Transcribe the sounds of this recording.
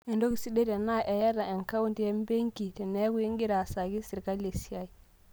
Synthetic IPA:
e˨ndo˦ki˨si˦de˦te˨na˦ʔe˨ja˦da˨e˨ŋka˦wu˦nti˦je˦mbe˦ŋki˨te˨ne˦ɡu˦ji˦ŋɡi˦ɾa˨sa˨ɡi˦si˨ɾka˦le˨si˦ja˦i˨

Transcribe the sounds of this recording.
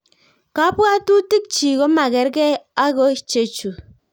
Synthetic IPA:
ka˦pwa˦tu˦ti˦k̚t͡ʃi˨ɣo˦ma˨kɛ˨ɾkɛ˦a˦ɣɔ˦i˦t͡ʃe˨t͡ʃu˨

